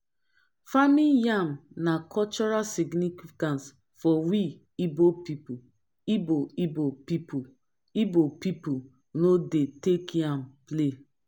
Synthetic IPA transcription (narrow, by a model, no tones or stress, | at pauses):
famĩjamnakʰɔt͡ʃɔɹalsiɡnifikãns | fɔwi | ibopipu | iboibopipu | ibopipu | nodetekjãmple